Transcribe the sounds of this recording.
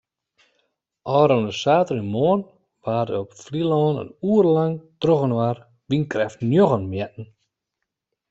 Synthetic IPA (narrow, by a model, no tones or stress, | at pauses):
ʔɔːɾonəsaːtəɾinmoən | ʋaːrdəɔpflilɔːnə̰nuərlaŋtroɣənʋar | ʋinkrɛftnjoɣənmjɛtn̩